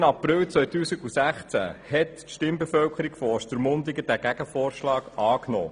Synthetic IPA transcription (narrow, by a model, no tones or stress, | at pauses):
nɑprɪlt͡sʋœɥt̪uːsiɡusæχt͡sæ̰hɛt̪ | ʃtɪmbefœwkʰəɾikfɔɔʃt̪əɾmʊnd̪ɪɡədæːɡ̥æɡ̥əfoːɾʃlɑːɡɑːknɔ̰ː